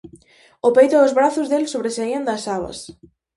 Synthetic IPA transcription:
opejt̪ʊʊzβɾaθʊzðelsoβɾesaiɐnd̪ɐsaβɐ̰s

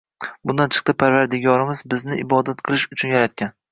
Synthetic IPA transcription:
bʊnd̪ant͡ʃʰɨ̥q̚t̪apʰaɾvaɾd̪ɪɡʲɒɾɪmɪzbɪznɪʔɪbɒd̪at̪qʰɨlˠɪʃʊt͡ʃʰʊnjaɾat̪̚kʲan

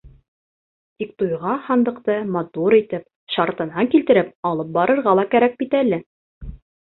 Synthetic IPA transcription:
t̪ik̚t̪ujʁɑhɑnd̪ɤ̆qt̪ɤmɑt̪uɾit̪ɘp̚ | ʃɑɾt̪ɤ̆nɑŋkilt̪ɘ̆ɾɘp̚ɑlˠɤp̚bɑɾɤ̆ɾʁɑlˠɑkæɾæk̚bit̪ælɘ

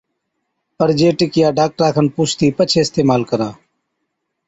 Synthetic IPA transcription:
pəɾd͡ʒeːʈɪkɪjaːɖaːk̚ʈɾaːkʰənpuːt͡ʃʰt̪iːpət͡ʃʰeːɪst̪eːmaːlkəɾãː

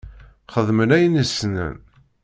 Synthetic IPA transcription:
χəðˤmənæjnəsnə̰n

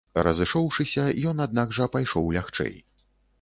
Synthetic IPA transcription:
rɐzɨʂɔwʂɨsʲɐjɔn̪ad̪̚naɡʐɐpajʂɔwlʲaxt͡ʂɛ̰j

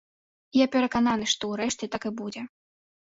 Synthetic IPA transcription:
japʲɛɾɐkananɨʂt̪ɔwɾɛʂt͡sʲɛt̪akɨbud͡zʲɛ

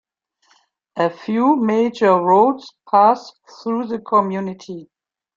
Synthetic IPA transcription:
ʔəfjuːmeɪd͡ʒə˞ɹoʊdspʰas | θɹuðəkʰɔmjunɪtʰi

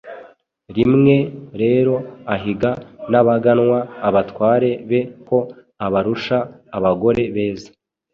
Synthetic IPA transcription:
ɾimŋe̞ɾe̞ːɾo̞aɦiɡanaβaɡanwaːβatwaːɾe̞βe̞ko̞ | aβaɾuʃaːβaɡo̞ɾe̞βe̞ːzḁ

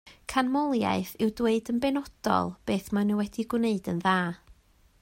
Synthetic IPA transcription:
kʰanmɔlˠja̰ɨθɪwdweɨdənbɛnɔd̥ɔ̰lˠb̥eːθmanɪwɛdiɡwneɨdənðaː

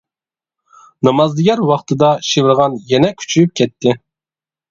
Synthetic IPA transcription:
nɑmɑzd̪ɨɡʲɛɾwɑχt̪ʰɨd̪ɑʃivɪɾʁɑnjɛnɛkʲʰy̥t͡ʃʰyyp̚kʲʰɛt̪ːɪ

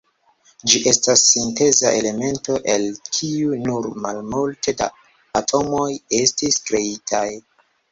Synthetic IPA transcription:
d͡ʒiʔe̞stasːinte̞za̰ʔe̞le̞me̞nto̞ʔe̞lkʰiunuɾmalmulte̞da̰ː | tʰo̞mo̞je̞stiskɾe̞itʰaj

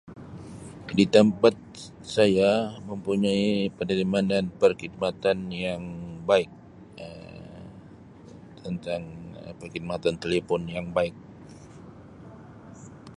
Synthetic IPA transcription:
dit̪əmpat̪̚ | sajaməmpuɲaipənəɾimananpərkid̪̚mat̪anjaŋbaɪk̚ | ə | t̪ʰənt̪aŋpərkid̪̚mat̪ant̪elefɔnjaŋbaɪk̚

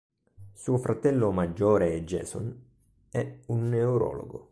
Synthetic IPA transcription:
suːofɾat̪ɛlːomad͡ʒːɔːɾed͡ʒːɛ̰ːsɔ̰n | ɛunːeuɾɔ̰ːlo̰ɡo̰

